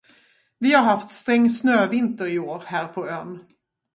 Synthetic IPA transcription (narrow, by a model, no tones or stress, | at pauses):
vɪhaɾɦaft̪st̪ɾɛŋːsnøːvɪnt̪əɾɪoːɾhæːɾpʰɔøːn